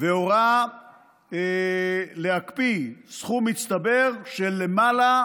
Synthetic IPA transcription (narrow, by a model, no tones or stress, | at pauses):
veoʁa | le̞akpisχumit͡st̪abe̞ʁʃe̞lːe̞mala